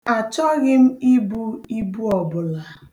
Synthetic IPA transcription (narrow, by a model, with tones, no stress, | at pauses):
a˨t͡ʃɔ˦ɣɪ˦m̩˦i˦bu˦i˦bu˦ɔ˨bʊ˨la˨